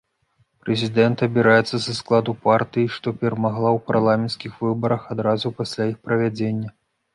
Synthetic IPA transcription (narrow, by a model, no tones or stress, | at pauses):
pɾɛzʲid̪ɛnt̪ɐbʲɛɾajɛt̪sːɐzɐsklˠad̪upart̪ɨjiʂt̪ɔpʲɛɾɐmaɣlˠawparlˠamʲɛnt̪skʲixvɨbɐɾɐxad̪ɾazupasʲlʲajixpɾɐvʲad͡zʲenʲːɐ